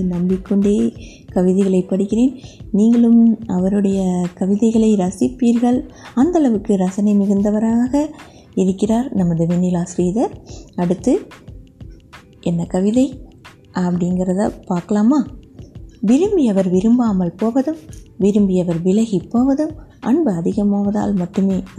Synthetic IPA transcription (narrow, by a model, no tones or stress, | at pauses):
nɐmbɪkːɔɳɖeː | kɐʋɪðɐɪɣɐɭɐɪpːɐɽɪkːɪreːnniːŋɡɐɭɯmɐʋɐɾɯɽɐjɐkɐʋɪðɐɪɣɐɭɐɪɾɐsɪpːiːɾɣɐɭɐnd̪ɐlɐʋɯkːɯɾɐsɐnɐɪmɪɣɯnd̪ɐʋɐɾaːɣɐ | ɪɾɯkːɪraːɾnɐmːɐðɯʋɛnːɪlaːsɾiːðɐɐɽɯt̪ːɯ | ɛnːɐkɐʋɪðɐɪ | ʔɐpːɐɽɪŋɡɪɾɐða̰paːɾkɐlaːmaː | ʋɪɾɯmbɪɐʋɐɾʋɪɾɯmbaːmɐlpoːʋɐðɯmʋɪɾɯmbɪɐʋɐɾʋɪlɐɣipːoːʋɐðɯmʔɐ̰ɳbɯɐðɪɣɐmaːʋɐða̰ːlmɐʈːɯmeː